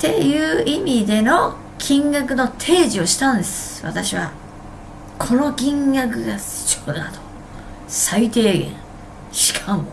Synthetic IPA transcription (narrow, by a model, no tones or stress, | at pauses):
t̪e̞jɯ̟ːimʲid̪e̞no̞ | kʲʰĩŋɡak̬ɯ̟no̞t̪ʰe̞ːʑio̞ɕi̥t̪ãnd̪esɨ̥βa̰t̪aɕiβa̰ | kʰo̞no̞kʲĩŋɡak̬ɯ̟ɡas | t͡ɕonad̪o̥ | sait̪e̞ːɡḛ̃ | ɕi̥kʰamo